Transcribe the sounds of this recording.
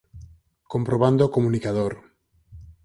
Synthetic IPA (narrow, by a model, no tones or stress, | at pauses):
kompɾoβand̪oːkomũnikaðoɾ